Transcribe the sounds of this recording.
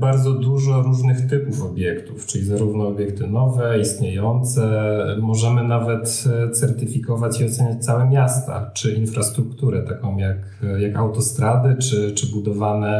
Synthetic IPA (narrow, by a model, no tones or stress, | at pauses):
baɾd̪zɔd̪uʐɔɾuʐnɘxt̪ɘpufɔbʲjɛkt̪uft͡ʂɘlʲizaɾuvnɔːbʲjɛkt̪ɘnɔvɛist̪ɲejɔnt̪sɛmɔʐɛmɘnavɛt̪tt̪sɛɾt̪ɘfʲikɔvat͡ɕiɔt̪sɛɲat͡ɕt̪sawɛmʲjast̪a̰t͡ʂɘinfɾast̪ɾukt̪uɾɛt̪akɔ̃w̃jak | jakawt̪ɔst̪ɾad̪ɘt͡ʂɘt͡ʂɘbud̪ɔvanɛ